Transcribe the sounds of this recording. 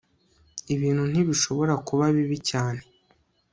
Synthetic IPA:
iβiːnhun̥iβiʃo̞βo̞ɾakuβaβiβicaːne̞

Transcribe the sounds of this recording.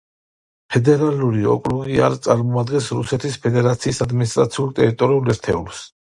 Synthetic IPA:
pʰɛd̪ɛɾaluɾiɔ̰kʼɾuɡia̰ɾt̪sʼaɾmɔad̪ɡɛnsɾusɛt̪ʰispʰɛd̪ɛɾat̪sʰiːsad̪minist̪ʼɾat̪sʰiulˠt̪ʼɛɾit̪ʼɔɾiulɛɾt̪ʰɛ̰ṵls

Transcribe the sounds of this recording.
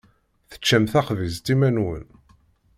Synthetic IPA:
θə̥t͡ʃːæmθæχvizt̪imænwə̰n

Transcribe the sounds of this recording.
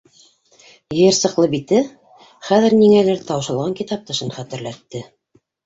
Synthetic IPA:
jɤ̆jɘɾsɤ̆qlˠɤbit̪ɘ | χæðɘ̆ɾniŋælɘɾt̪ɑwʃɑ̆lˠʁɑŋkit̪ɑp̚t̪ɤ̆ʃɤnχæt̪ɘ̆ɾlæt̪ːɘ

